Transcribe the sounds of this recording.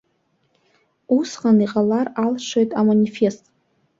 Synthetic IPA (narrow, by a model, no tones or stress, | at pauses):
usqʼaniqʼalaralʂʷojtʼamanʲife̞stʼ